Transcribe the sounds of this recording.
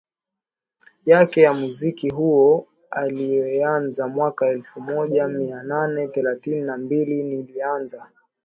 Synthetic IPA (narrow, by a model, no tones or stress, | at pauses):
jakɛjamuzikiɦuɔ | alijɛanzamwakaɛlfumɔʄamiananɛθɛlaθininambilinilianza